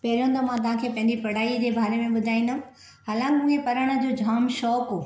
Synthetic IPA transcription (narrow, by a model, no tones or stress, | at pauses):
pɐɦɪɾijõnd̪əmãt̪̬ɐʋɦãkʰeːpɐ̃ɦɪɲd͡ʑipɐɽ̤aːid͡ʑeːbʱaːɾemẽɓʊd̪ʱaːĩːnd̪ʊ | aːlə̃ŋɡɲẽpɐɾəɽ̃ə̆d͡ʑoːd͡ʑʱaːmʃɔːkɦoː